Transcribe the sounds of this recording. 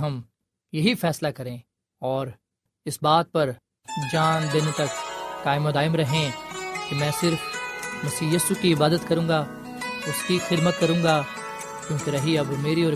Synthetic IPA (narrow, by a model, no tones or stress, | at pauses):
ɦɐm | jɐɦifɛːslakɐɾẽː | ɔːɾ | ɪsbaːt̪̚pɐɾ | d͡ʒaːnd̪ɪnt̪ɐkːaːɪmod̪aːɪmɾɐɦẽkimɛ̃ːsɪɾfmɐsiːjiːsukiɪbaːd̪ət̪kɐɾũːŋɡaː | ʊskixɪd̪mət̪̚kɐɾũːŋɡaː | kjõːkeɾɐɦiɐbmeːɾiɔːɾ